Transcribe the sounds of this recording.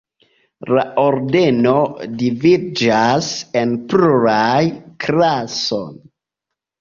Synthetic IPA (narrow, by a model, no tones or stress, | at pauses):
la̰oɾde̞no̞divid͡ʒase̞npluɾajkɾaso̞̰n